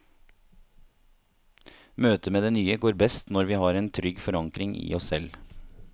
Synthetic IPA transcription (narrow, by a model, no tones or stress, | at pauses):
møːt̪əmeːd̪eːnyːəɡoːɾbɛst̪nɔɾʋiːhɑːɾeːnt̪ʰɾʏɡfɔɾɑŋkɾɪŋʔɪ̰ːɔsɛl